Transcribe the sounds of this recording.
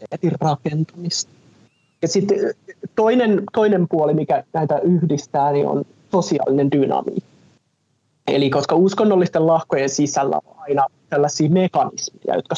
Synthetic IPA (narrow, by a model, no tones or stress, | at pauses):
et̪irrɑkent̪umist̪ | jɑsit̪t̪oinent̪oinempuolimikænæit̪æʔyhdist̪æːnio̰n | sosiɑ̰ːlːinendynɑ̰mḭːkː | ḛlikoskɑuskonːolːist̪ellɑhkojensisælːæ̰o̰ɑinɑt̪ælːæsːiːmekɑnismejɑ̰jot̪kɑ